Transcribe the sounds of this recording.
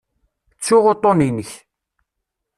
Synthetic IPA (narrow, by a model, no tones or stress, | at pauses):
t͡sːuʁot̪ˤoninəç